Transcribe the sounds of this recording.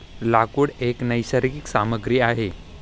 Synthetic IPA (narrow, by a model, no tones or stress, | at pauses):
lakuːɽeknəjɕəɾkiksaməɡɾiːaɦe